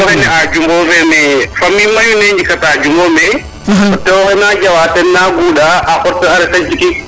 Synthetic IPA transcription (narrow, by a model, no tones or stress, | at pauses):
ɔhɛnɛad͡ʒumbɔvɛmɛfamːimajuneɲd͡ʒikatad͡ʒumɔmɛ | ɔtːɛɔhɛnad͡ʒawatɛnnːaɡuɗaʔaʔɔɾtɛaɾɛkad͡ʒiki